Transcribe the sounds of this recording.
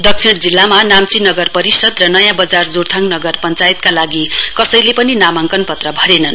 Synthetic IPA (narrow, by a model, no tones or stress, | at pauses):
d̪ʌk̚sʰiɽd͡zilːamanamt͡sinʌɡʌrpʌɾisʌd̪rʌnʌjãbʌd͡zard͡zord̪ʱaŋnʌɡʌrpʌnt͡sajet̪̚kalaɡikʌsʌjlepʌninamaŋkʌnpʌt̪rʌbʱʌɾenʌn